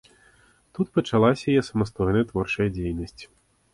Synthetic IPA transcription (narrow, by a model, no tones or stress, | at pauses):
t̪ut̪̚pɐt͡ʂalˠasʲɐajɛsɐmast̪ɔjnɐjɐt̪vɔrt͡ʂɐjɐd͡zʲejnɐsʲt͡sʲ